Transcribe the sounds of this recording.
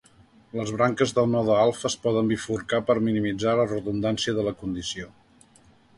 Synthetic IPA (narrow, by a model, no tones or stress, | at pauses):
ləzβɾaŋkəzðəlˠnɔðəalˠfəspɔðəmbifuɾkapəɾminimid͡zalərəðund̪ansiəðələkund̪isio